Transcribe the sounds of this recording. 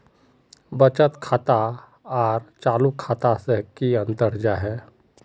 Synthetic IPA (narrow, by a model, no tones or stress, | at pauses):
bət͡ʃət̪kʰaːt̪a | ɔːɾt͡ʃaːlukʰːaːt̪asekiɐ̃nt̪əɾd͡ʒaɦɛː